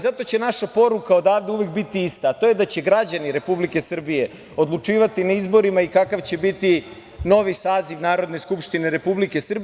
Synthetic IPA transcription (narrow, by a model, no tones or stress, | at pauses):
zat̪o̞t͡ɕe̞naʃapo̞ɾukao̞d̪aːʋd̪euʋe̞k̚bit̪iist̪aːt̪o̞jed̪at͡ɕe̞ɡɾad͡ʑaniɾe̞publike̞sr̩bije̞ | od̪lˠut͡ʂiːʋat̪inaizbo̞ɾimaikakaʋt͡ɕe̞bit̪i | no̞ʋisaːziʋnaːɾo̞d̪ne̞skupʃt̪ineɾe̞publike̞sr̩b